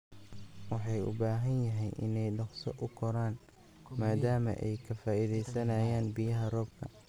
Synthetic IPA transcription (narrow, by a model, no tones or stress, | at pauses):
wɑħɑjʊ̰baːɦɐnjɐɦɛjʔɪ̰nɛjɖɐχsɔ̰ʔʊkʰɔɾaːn | maːðaːmɐ̰ʔɛ̰jkʰɐfaːʔiðɛjsɐnaːjaːnbɪjɐɦɐrɔːb̚kʰɐ̰